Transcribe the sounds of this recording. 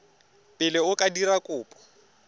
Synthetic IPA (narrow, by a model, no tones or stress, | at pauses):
pʼɪlɪʊkʼadirakʼʊːpʼɔ̥